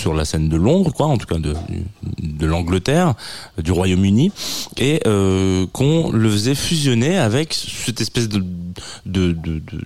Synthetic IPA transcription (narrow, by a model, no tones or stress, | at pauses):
syʁla̰sɛnd̪əlɔ̃d̪ʁkwaɑ̃t̪u̥kad̪ə̰d̪əlɑ̃ɡlət̪ɛːʁd̪yʁwajomynieøkʰɔ̃ləfəzɛfyzjɔneavɛksɛt̪ɛspɛsd̪əd̪əd̪əd̪ə̰